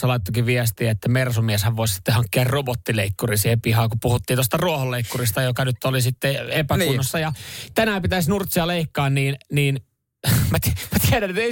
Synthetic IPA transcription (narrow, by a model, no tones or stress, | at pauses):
sɑlɑˑit̪ːokiʋʋiɛst̪iæet̪ːæmersumiɛshæʋʋoˑissi̥t̪ːehɑŋkːiɑrrobot̪ːileikːurisiːhepihɑːkupuhut̪ːiːt̪ost̪ɑruoholːeikːurist̪ɑjokɑnyt̪ːolisit̪ːeepænunosːɑjɑt̪ænæpit̪æsʲnurt̪siɑleikːɑːnniːnniːn | mæt̪mæt̪iæɾænet̪e